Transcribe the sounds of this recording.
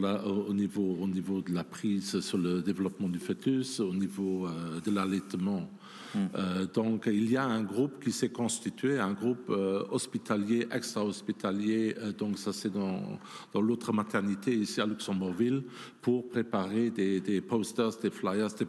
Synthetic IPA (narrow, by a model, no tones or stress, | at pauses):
laoonivoonivod̪əlapχiːzsyʁləd̪evəlɔpəmɑ̃d̪yfet̪ysonivoød̪əlalɛt̪mɑ̃ | ød̪ɔ̃kilijaɛ̃ɡʁupkisɛkɔ̃st̪it̪ɥeɛ̃ɡʁupøɔspit̪ʰaljeʔɛkst̪χaɔspit̪aljeəd̪ɔ̃ksasɛd̪ɑ̰̃ | d̪̥ɑ̃lot̪χəmat̪ʰɛʁnit̪ʰeisialyksɑ̃buʁvil | pʰuʁpχepaʁed̪ed̪epɔst̪œʁsd̪eflajəʁsd̪e